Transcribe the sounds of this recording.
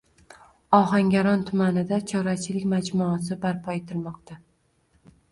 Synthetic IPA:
ɒɦaŋɡʲaɾɒnt̪ʰʊmanɪd̪at͡ʃʰɒɾat͡ʃʰɪlɪkʲmad͡ʒmʊːs̬ɪbaɾpʰɒet̪ʰɪɾmɒqt̪ʰa

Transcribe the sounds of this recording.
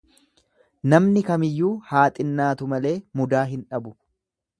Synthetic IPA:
nɐmnɪkɐmɪjːuːhaːt̪ʼɪnːaːt̪ʊmɐle̞ːmʊd̪aːɦɪnᶑɐbʊ

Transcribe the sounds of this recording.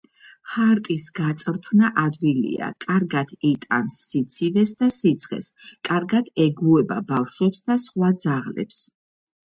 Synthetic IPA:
χaɾt̪ʼisɡ̥at̪sʼɾt̪ʰvnaʔad̪vilḭa̰kʼaɾɡad̪̥ɛt̪ʼa̰nsːit̪sʰivɛsd̪asit̪sʰχɛ̰skʼaɾɡad̪̥ɛɡuɛba̰bafʃwɛpsd̪asχwad̪zaʁlɛ̰ps

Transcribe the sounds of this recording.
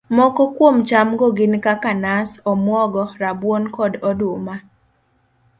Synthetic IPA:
mɔkɔkwomt͡ʃamɡɔɡɪnkakanasɔmwɔɡɔɾabwonkɔdɔdoma

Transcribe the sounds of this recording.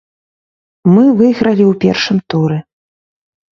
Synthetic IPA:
mɨvɨɣɾɐlʲiwpʲɛrʂɨmt̪uɾɛ

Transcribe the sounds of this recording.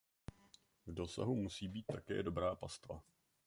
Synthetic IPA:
vdo̞sa̰ɦumusiːbiːt̪ːakɛ̰ːdo̞bɾaːpast̪va̰

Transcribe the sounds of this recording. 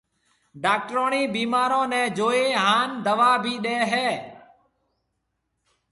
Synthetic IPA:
ɖaːk̚ʈɾoːɳiːbiːmaːɾõːnɛ̃ːd͡ʒoːeːɦaːnd̪əʋaːbʱiːɗeːɦeː

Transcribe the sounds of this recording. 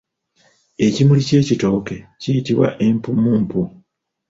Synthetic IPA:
e̞cimulice̞ːcito̞ːke̞cijitiβwa̰ʔe̞mpumuːmpu

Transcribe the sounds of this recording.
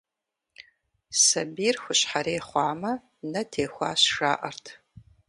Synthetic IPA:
sɐbiːrxʷʊɕħaɾeːχʷɑːmɐ | nɐtʰeːxʷɑ̰ːɕʂa̰ːʔɐrtʰ

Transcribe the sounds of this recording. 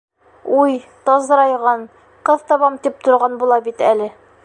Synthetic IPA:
ujt̪ɒzɤ̆ɾɑjʁɑn | qɤðt̪ɒβɑmt̪ip̚t̪ŏɾʁɑnbulˠɑbit̪ælɘ

